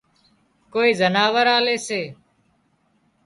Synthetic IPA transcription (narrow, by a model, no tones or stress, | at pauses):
koːiːzənaːʋəɾaːleːseː